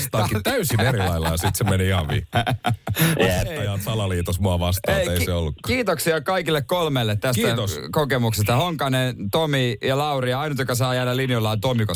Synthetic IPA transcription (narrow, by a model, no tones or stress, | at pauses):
st̪ɑːkit̪æysineɾilɑilːɑjɑsit̪semeniihɑʋʋḭː | et̪ːɑjɑːt̪sɑlɑliːt̪osmuɑʋɑst̪ɑːeiseolːukːɑ̥kiːt̪oksiɑkɑikilːekkolmelːet̪tæskiæt̪oskokemuksest̪ɑhoŋkɑnent̪omijɑlɑuriɑɑinut̪jokɑs̬ɑːjælælinjolːɑːt̪omiko